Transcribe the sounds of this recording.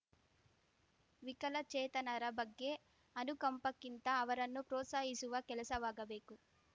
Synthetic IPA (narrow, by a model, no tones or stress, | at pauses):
ʋikɐlɐt͡ʃɛːt̪ɐnɐɾɐbɐɡːe̞ | ɐnukɐmpɐkːint̪ɐːʋɐɾɐnːupɾɔːt̪saːɦisuʋɐkɛlɐsɐʋaːɡɐbe̞ːku